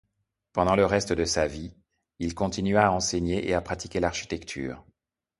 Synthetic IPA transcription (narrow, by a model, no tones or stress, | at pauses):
pɑ̃d̪ɑ̃ləʁɛst̪əd̪əsavi | ilkɔ̃t̪inɥaːɑ̃seɲeʔḛapχat̪ikʲelaʁʃi̥t̪ɛkt̪ʰy̰ːʁ